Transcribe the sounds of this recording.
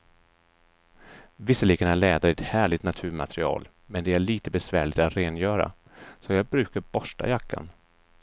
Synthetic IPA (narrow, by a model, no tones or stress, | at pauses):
vɪsːəliːɡənaɭɛːd̪aɾɪɛt̪hæːɭɪt̪nat̪ʰʉ̟ːɾma̰t̪ɾɪɑ̰ːl | mɛnd̪ɛæɭiːt̪əbɛsvæːɭɪt̪at̪ɾeːnjœːɾa̰ | sɔjɑːɡ̚bɾʉ̟ːkaɾbɔʂʈa̰jakʰːa̰n